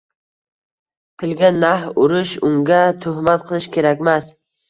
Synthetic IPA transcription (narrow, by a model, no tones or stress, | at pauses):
t̪ʰɪlɡʲanahʊɾɪʃʊŋɡʲat̪ʰʊhmat̪̚qʰɨlˠɪʃkʲʰe̞ɾakʲmas